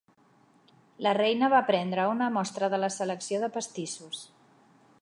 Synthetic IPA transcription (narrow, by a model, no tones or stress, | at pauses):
lərejnəβapɾɛnd̪ɾəunəmɔst̪ɾəðələsələksioðəpəst̪isus